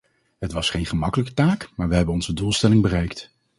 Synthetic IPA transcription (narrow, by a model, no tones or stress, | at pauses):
ɦətʋɑsχejnχəmɑkələkə̥taːkmaːɹʋəɦɛbənɔnzədulˠstɛlɪŋbərɛjkt